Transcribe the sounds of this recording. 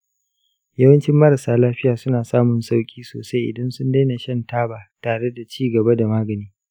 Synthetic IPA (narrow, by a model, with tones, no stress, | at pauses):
jɐ˦wɐ˦nt͡ʃɪ˦mːɐ˦ɾa˨saː˦laː˦ɸɪ˦jaː˨sʊ˦naː˨saː˦mʊ˨nsa˦wkʲʼiː˦so̰ː˨sa˦jʔɪ̰˨dɐ˦nsʊ˦nda˦jna˨ʃɐ˦ntaː˦baː˨taː˨ɽe˦da˨t͡ʃiː˦˨ɡɐ˨ba˦da˨maː˦ɡɐ˨niː˦